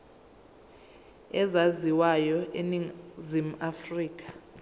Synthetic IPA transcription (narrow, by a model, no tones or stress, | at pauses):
ɛzaziwajɔʔeniŋzim̩afriːk̬ʼḁ